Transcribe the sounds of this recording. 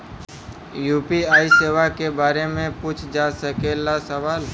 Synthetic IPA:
juːpiaːiseːʋakebaːɾemẽpuːt͡ʃʰd͡ʒaːsəkelasəʋaːl

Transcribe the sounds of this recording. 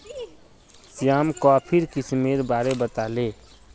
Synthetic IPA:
sijaːmkɔpʰiɾkismeɾbaːɾebət̪ale

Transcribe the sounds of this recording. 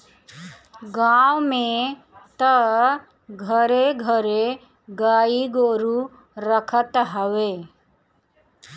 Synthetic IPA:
ɡaːwmẽ | t̪ə | ɡʱəɾeɡʱəɾe | ɡaːiɡoːɾu | ɾəkʰət̪ɦəʋeː

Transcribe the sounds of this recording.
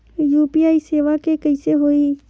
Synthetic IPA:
juːpiaːiseːʋakekəɪseɦoːi

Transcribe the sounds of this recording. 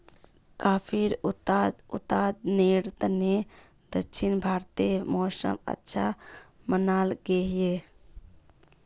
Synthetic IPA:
kapʰiɾut̪ad̪ut̪ad̪neɾt̪ne | d̪ət͡ʃʰinbʱaɾt̪imɔsə̰mə̰tːʃʰa | mənalɡeɦije

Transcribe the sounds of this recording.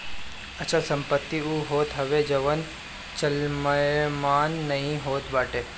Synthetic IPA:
ət͡ʃəlsə̃mpət̪ːiuɦoːt̪ɦəʋed͡ʒəʋən | t͡ʃəlməjmaːnːəɦĩɦoːt̪ʋaːʈe

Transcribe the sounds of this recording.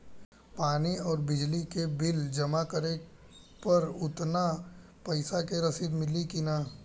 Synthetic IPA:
paːniɔːɾbɪd͡ʒlikebɪld͡ʒɐmakəɾe | pɐɾʊt̪na | pɐɪsakeɾɐsid̪mɪlikinaː

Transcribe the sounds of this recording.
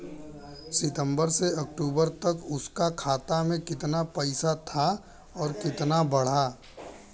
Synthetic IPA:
sɪt̪ə̃mbəɾseɐk̚ʈuːbəɾt̪ɐkʊskakʰaːt̪amẽkɪt̪napɐɪsat̪ʰa | ɔːɾkɪt̪nabɐɽ̤aː

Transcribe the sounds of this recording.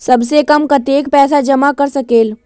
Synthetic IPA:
sɐbsekɐmkɐt̪eːkpɛːs̬ad͡ʒɐmakɐɾsɐkeːl

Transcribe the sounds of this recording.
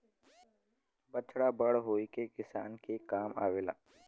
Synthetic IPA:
bət͡ʃɽabəɽɦoːikekɪsaːnkekaːma̰ːʋeːla̰ː

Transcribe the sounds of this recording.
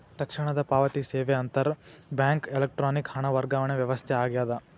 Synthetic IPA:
t̪ɐkʂiɳɐd̪ɐpaːʋɐt̪iseːʋeɐnt̪ɐɾbjaːŋkelek̚ʈɾaːnikhɐɳɐʋɐɾɡaːʋɐɳeʋjɐʋɐst̪ʰɛaːɡjaːd̪ɐ

